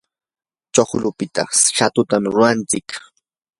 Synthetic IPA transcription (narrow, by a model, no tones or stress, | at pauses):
t͡ʃoχlʊpɪt̪a̰ʃat̪ʊt̪amɾʊant͡sɪk